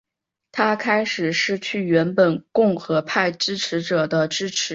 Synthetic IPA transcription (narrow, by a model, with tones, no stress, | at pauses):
t̪ʰa˥kʰa˥ɪʂɻ̩˨˩ʂɻ̩˥˧t͡ɕʰy˥˩ɥɛ˧˥npə˨˩nkʊ˥˩ŋxɤ˧˥pʰa˥˩ɪʈ͡ʂɻ̩˥ʈ͡ʂʰɻ̩˧˥ʈ͡ʂɤ˨˩d̪ə˦ʈ͡ʂɻ̩˥ʈ͡ʂʰɻ̩˧˥